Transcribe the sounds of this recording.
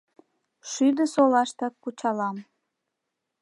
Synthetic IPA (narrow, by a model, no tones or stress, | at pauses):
ʃyd̪əsolɑʃt̪ɑkːut͡ɕɑlɑm